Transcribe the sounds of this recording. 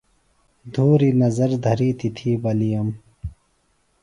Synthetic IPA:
d̪ʱuːɾinɐzɐɾd̪ʱɐɾiːt̪it̪ʰiːbɐlijɐm

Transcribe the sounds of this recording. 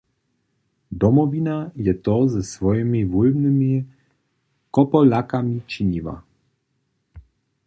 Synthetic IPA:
d̪ɔmɔvinajɛt̪ɔzəsvɔjimivulnəmi | kɔpɔlakamit͡ʃiɲiva̰

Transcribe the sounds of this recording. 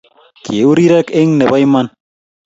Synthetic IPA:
keuɾiɾakeŋnebajman

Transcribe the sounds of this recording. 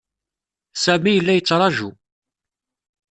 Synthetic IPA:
sæmijəlːæjət͡sːɾˤɑʒṵ

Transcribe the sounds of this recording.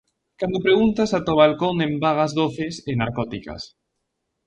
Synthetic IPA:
kand̪opɾeɣunt̪asat̪oβalkoŋẽmbaɣ̞azðoθesenaɾkɔt̪ika̰s

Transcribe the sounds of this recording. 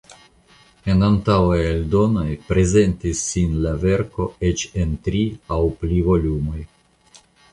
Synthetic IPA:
e̞nantawajeldo̞no̞jpɾe̞ze̞ntisːinlave̞ɾko̞e̞t͡ʃe̞ntɾiawplivo̞lumo̞j

